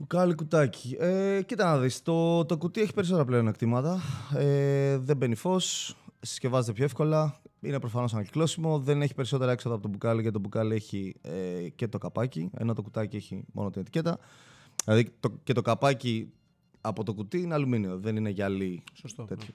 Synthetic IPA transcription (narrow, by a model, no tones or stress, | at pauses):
pukɐlikut̪ɐci̥ecit̪ɐnɐðist̪o̞t̪o̞kut̪ie̞çi̥peɾiso̞t̪eɐpleonekt̪imɐt̪ɐeðe̞be̞nifo̞ssce̞vɐzet̪epçoefko̞lɐinepɾofɐno̞s̬ɐnɐɟiklo̞simo̞ðe̞neçi̥pe̞ɾiso̞t̪e̞ɾɐeksoðɐpo̞t̪obukɐliʝɐt̪t̪obukɐlie̞çiecet̪o̞kɐpɐciḛno̞t̪okut̪ɐcie̞çimo̞̰not̪ine̞t̪i̥ce̞t̪ɐ | lɐðit̪ocet̪okɐpɐci | ɐpo̞t̪o̞kut̪iineɐluminioðe̞nineʝɐlist̪e̞t̪ço̥